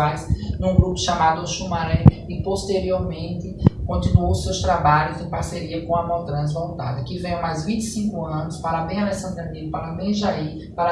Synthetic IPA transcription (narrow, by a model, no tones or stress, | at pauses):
ajsnũɡɾupʊ̥ʃamad̪ʊaʃumaɾɛɪpost̪eɾioɾmẽnt̪ɪkõnt̪ĩnuowsewst̪ɾabaʎʊzẽpaɾseɾiɐkõɐmɔwt̪ɾɐ̃zvõwt̪a̰d̪ɐkɪvẽj̃ɐ̃majzvĩnt̪ɪ̥sĩkʊɐ̃nʊspaɾɐmẽj̃ɐlɛsɐ̃nd̪ɾɐmiʊpaɾɐmẽʒai | paɾɐ